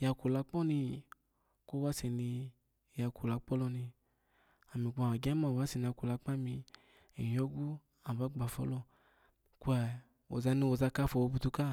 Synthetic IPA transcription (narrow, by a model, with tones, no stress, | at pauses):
ja˧ku˨la˧k͡pɔ˦ni˧ | ko˦wa˧˦se˨ni˧˨ | ja˧ku˨la˨˦k͡pɔ˦lɔ˧ni˧ | a˨mi˨k͡pa˨a˨ɡɛ˦ma˨wa˨˦si˨n˧a˧ku˨la˨˧˦k͡pa˦˨mi˧ | ḭ˨jɔ˦ɡu˦ | a˨ba˨˦ɡ͡ba˨fɔ̰˦lɔ˧ | ku˦ɛ˧˨ | o̰˨za˧˦ni˧wo˨za˧ka˦fɔ˨wo˨˧bu˧tu˧ka˦˨